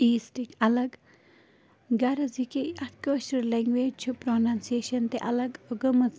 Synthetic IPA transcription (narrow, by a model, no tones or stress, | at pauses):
iːsʈikɐlɐɡ | ɡɐɾɐzikeɐt̪ʰkəːʃɐɾleŋɡʋeːd͡ʒt͡ʃʰupɾonansieːʃɐnt̪eʔɐlɐɡɡəmɐz